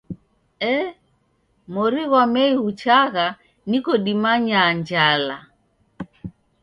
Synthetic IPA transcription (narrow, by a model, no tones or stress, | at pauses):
ɛ | mɔɾiɣamɛiut͡ʃaɣa | nikɔɗimaɲaɲd͡ʒala